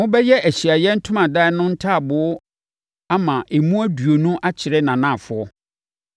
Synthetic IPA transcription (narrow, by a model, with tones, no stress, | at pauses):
wʊ̃˦bɛ˦jɛ˦ʔæ˨ɕi˨a˨jɛ̃˦n̩˦tʰʊ̃˦mã˨da˦ɛ˨nʊ̃˦n̩˦tʰaː˦˨bʊ˨˦ | a˦mã˨ʔe˨mũ˦æ˦du˨o˨nũ˦ʔa˦t͡ɕʰɪ˨ɾɛ˦nã˨nã˦˨fʊ˨ɔ˦